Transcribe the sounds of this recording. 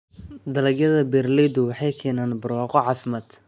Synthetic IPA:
d̪ɐlɐɡjɐðɐbɛrlɛjd̪ʊwɑħɑjkʰɛːnaːnbɐrwɑːqɔʕɑːfɪmɐd̪̥

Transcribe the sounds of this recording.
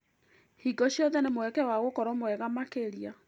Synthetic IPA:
hiɡɔɕijɔðɛnemowɛkɛwaɣokɔɾɔmoɛɣamakeɾia

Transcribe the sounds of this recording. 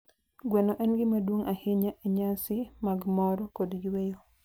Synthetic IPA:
ɡwɛnɔʔɛnɡɪmadwoŋʔahɪɲaʔeɲasɪmaɡmɔɾɔkodd͡ʒwejo

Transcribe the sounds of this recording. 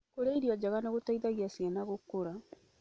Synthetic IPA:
koɾeiɾiɔd͡ʒaɣaneɣotaiðaɣiasianaɣokːoɾa

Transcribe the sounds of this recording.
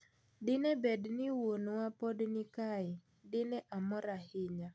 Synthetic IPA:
dɪnɛbɛdnɪwonwapɔdnɪkaɪ | dɪnɛʔamɔɾahɪɲa

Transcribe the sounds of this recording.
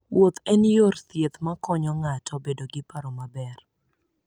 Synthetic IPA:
wot̪ɛnjort̪jet̪makɔɲɔŋatɔbedoɡɪpaɾɔmabɛr

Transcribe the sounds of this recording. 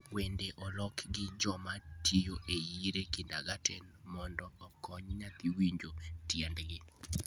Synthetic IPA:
wendeʔɔlɔkɡɪd͡ʒɔmatʰijoʔejiɾekɪndaɡatʰenmɔndɔːkʰɔɲɲat̪iwiɲd͡ʒotjɛndɡɪ

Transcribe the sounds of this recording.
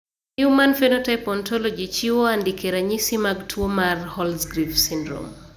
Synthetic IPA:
umanfɛnɔtapɔntʰɔlɔd͡ʒit͡ʃiwoandikɛɾaɲisimaɡtʰwomarhɔlsɡɾifsindɾo̰m

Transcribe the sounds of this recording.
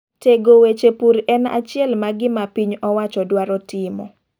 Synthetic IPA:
teɡowet͡ʃepuɾɛna̰t͡ʃɪɛlmaɡɪmapiɲɔwat͡ʃɔdwaɾɔtɪmɔ̰

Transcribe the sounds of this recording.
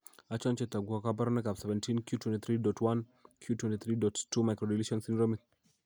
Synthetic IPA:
at͡ʃɔnt͡ʃɛtaɡuakabaɾnɛkapsɛvɛ̃ntʰinkjutwɛ̃ntiθɾidɔtʰwankʰjutwɛ̃ntiθɾidɔtːumajkɾɔdiliʃɔnsindɾomik̚

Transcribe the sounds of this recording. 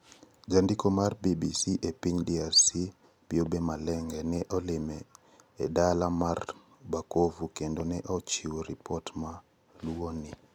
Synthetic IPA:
d͡ʒandikomarbibisiʔepiɲdiarsi | b̥ɪobemalɛŋɡɛnɛʔɔlɪmɛː | dalamar | bakovukendonɛʔɔt͡ʃiwoɾipʰɔtma | luonɪ

